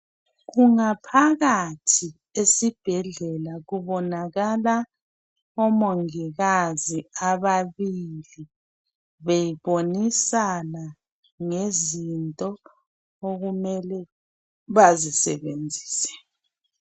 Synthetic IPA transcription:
ɣuŋapʰaɣatʰi | esib̥ʱɛɮɛlaɣuβɔnaɣala | ɔmoŋiɣaziaβaβili | βejiβonisana | ŋezintʼɔ | oɣumɛlɛ | βazisɛ̰βend͡zʱi̥ːsɛ̥

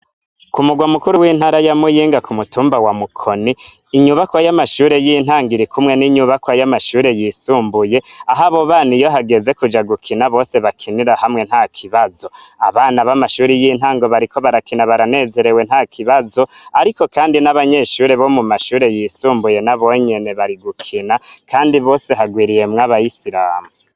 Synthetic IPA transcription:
kumuɡwamukuɾuwiːn̥haɾajamujiːŋɡakumutuːmbawamukʰo̞niː | ɲuβakwajamaʃuːɾe̞jinhaːŋɡiɾikumŋe̞niɲuβakwajamaʃuːɾe̞jisuːmbuje̞aɦaβo̞βaːnijo̞ɦaɡe̞ze̞kud͡ʒaɡukʰinaβo̞ːse̞βakʰiniɾahamŋe̞n̥haːkʰiβazo̞a̰βaːnaβamaʃuːɾijin̥haːŋɡoβaɾiko̞βaɾakinaβaɾane̞ze̞ɾe̞we̞n̥hakʰiβazo̞aɾiko̞kaːndinaβaɲe̞ʃuːɾe̞βo̞mumaʃuːɾe̞jisuːmbuje̞naβo̞ɲe̞ne̞βaɾiɡukʰinakʰaːndiβo̞ːse̞ɦaɡwiːɾije̞mŋaβaisiɾaːmu

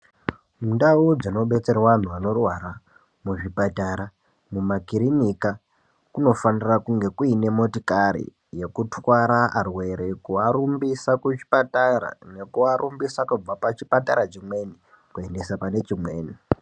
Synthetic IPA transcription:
mundaud͡zino̞ɓe̞t͡se̞rawan̤uano̞rwaɾa | muʐipataɾa | mumakiɾinika | kuno̞fanirakuŋɡe̞kuine̞mo̞tikaɾḭ | je̞kutwaɾaʔːrwe̞ɾe̞kuaɾumbisakut͡ʃi̥pataɾa̰ne̞kuaɾumbisakub͡vapat͡ʃipataɾat͡ʃimwe̞ni | kue̞nde̞sapane̞t͡ʃimwe̞ːni

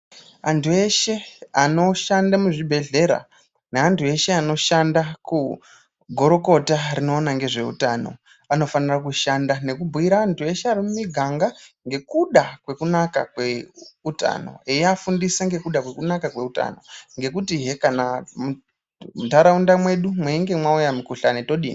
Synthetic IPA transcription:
antʰue̞ʃe̞ano̞ʃandamuʐibʱe̞ɮe̞ɾa̰ | neantue̞ʃe̞ano̞ʃandaku | ɡʱo̞ɾo̞ko̞tarino̞ːnaŋɡe̞ʐe̞ṵtano̞̰ | ano̞fanirak̬uʃandane̞kubʱuiɾaːntʰue̞ʃeaɾimumiɡʱaŋɡaŋɡe̞kuɗakwe̞kunaka̰kweuta̰no̞̰ejiafundisaŋɡe̞kuɗakwe̞kunakakweuta̰no̞̰ŋɡe̞kutiɦekanamu | mutaɾaundamwe̞ɗumweiŋɡe̞mwaujamukuɬane̞toɗḭːni

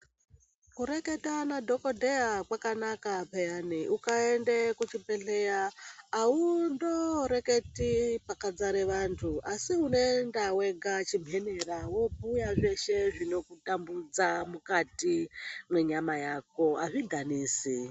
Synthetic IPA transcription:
kuɾeketanadʱokodʱeakwakanakapejaniʔukaendekut͡ʃibʱeɬejaː | undoɾe̞ke̞tipakad͡zaɾeʋantʰuʔasiune̞ndawe̞ɡat͡ʃim̤ʱe̞neɾawo̞bujaʐeʃe̞ʐino̞kutambud͡zamukatimwe̞ɲamajak̚o̞aʐiɡʱaniːsi

